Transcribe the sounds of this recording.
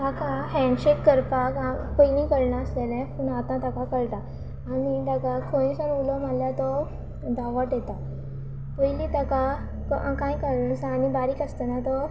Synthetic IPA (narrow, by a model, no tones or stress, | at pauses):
t̪akʰaɦɛ̃ɳɖɕekːəɾpakãpəinĩkəɽnaəslelɛ̃puɳat̪ãt̪akakəɭʈ̪aː | nid̪akakʰõĩsəɾulomaljat̪ɔ | d̪aʋəʈet̪a | pəilit̪aka | kkãĩkəɽnə̃saːnibaɾikəst̪ənãt̪ɔ